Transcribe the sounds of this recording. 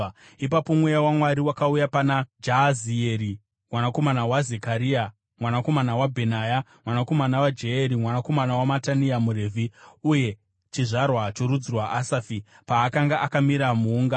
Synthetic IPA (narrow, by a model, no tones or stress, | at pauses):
ipapo̞mwejawamwaɾiwakaujapanad͡ʒazieɾi | mwanako̞manawazekaɾia | mwanako̞manawabʱe̞najamwanako̞manawad͡ʒeeɾimwanako̞manawamataniamuɾe̞ːvʱiuje̞ | t͡ʃiʐarwat͡ʃoɾud͡zirwaʔasafi | paːkaŋɡaʔakamiɾamuːŋɡa